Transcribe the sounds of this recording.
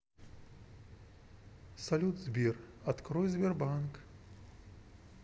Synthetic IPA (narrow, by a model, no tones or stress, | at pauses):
sɐlʲud̪zʲbʲir | ɐt̪kɾɔjzʲbʲɛrbank